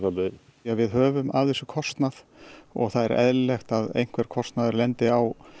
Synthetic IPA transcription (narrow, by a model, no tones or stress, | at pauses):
apɪ | avɪðɦœːvʏma̰vɛsʏkʰɔst̪nað | ɔ̰ɣθaðɛ̰ɾʔɛ̰ðlext̪aðḛjŋ̥kʰvɛɾ̥kʰɔst̪naðʏɾlɛnt̪ɪaw